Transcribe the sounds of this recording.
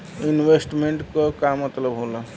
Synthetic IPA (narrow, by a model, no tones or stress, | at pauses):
inʋesʈmeɳʈkɔkamət̪ləbɦola